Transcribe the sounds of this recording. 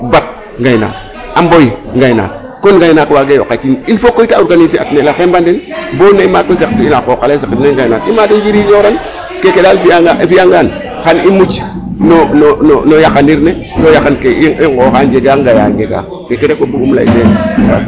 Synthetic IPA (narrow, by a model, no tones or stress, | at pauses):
bat̚ | ŋɡajna̰ː | ambojiŋɡajna̰ːt | konɡajnakwaɡejo̰kat͡ʃininfokːoitaoɾɡanisia̰tnelaxembandenboneimakosek̚tuinakokalesikitneŋɡajnatḭmadond͡ʒiɾiɲoɾan | kekedaːlfaafijaŋɡan | xanimut͡ʃ | nonononojakaniɾne | dojakankeiŋɡoxand͡ʒeɡaŋɡaja̰ɲd͡ʒeɡa̰ | kekedekobuɡumla̰ḭnea̰